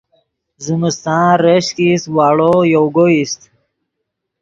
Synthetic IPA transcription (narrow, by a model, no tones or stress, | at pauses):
ziməst̪ɑ̃ːɾəɕkiswɑːɽojowɡoist̪